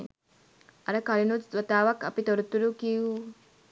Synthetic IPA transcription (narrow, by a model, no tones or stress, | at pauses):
ɐɾɐkɐɾinusʋɐt̪aːʋɐkːɐpit̪oɾut̪ːuɾukiu